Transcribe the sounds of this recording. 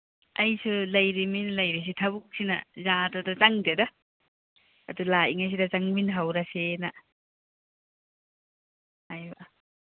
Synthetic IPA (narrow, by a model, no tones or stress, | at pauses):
ɐjsulɐjɾiminlɐjɾis̬itʰɐbuk̚sina̰zadadat͡ʃaŋdeda | dulaiŋajs̬idat͡ʃaŋminɦawɾasena | hajbaʔ